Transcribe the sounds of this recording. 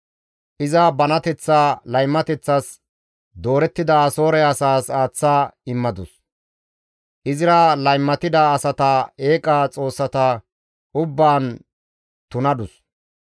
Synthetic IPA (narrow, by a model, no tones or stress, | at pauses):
ʔɪzɐbɐnɐt̪ɛt͡sːaːlɐjmːɐt̪ɛt͡sːɐs | d̪o̞ːɾɛt̪ːɪd̪ɐso̞ːɾɛɐsaːsaːt͡sːaːɪmːɐd̪ʊs | ʔɪzɪɾɐlɐjmːɐt̪ɪd̪ɐːsɐt̪ɐe̞ːkʼaːt͡sʼo̞ːsːɐt̪ɐ | ʊbːaːn | t̪ʊnɐd̪ʊs